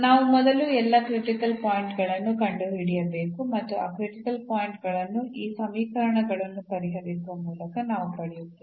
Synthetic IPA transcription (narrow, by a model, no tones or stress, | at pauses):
naːʋumɔd̪ɐluɛlːɐkɾiʈikɐlpaːjiɳʈɡɐɭɐnːukɐɳɖuɦiɽijɐbe̞ːkumɐt̪ːua̰ːkɾiʈikɐlpaːjiɳʈɡɐɭɐnːuʔiːsɐmiːkɐɾɐɳɐɡɐɭɐnːupɐɾiɦɐʋisuʋɐmuːlɐkɐnaːʋupɐɽɛjut̪ːei